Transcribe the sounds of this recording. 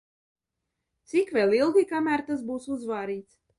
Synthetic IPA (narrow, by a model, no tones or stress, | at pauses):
t̪sikvʲelˠilˠɡʲikamæːɾt̪as̬buːsuzvaːɾiːt̪s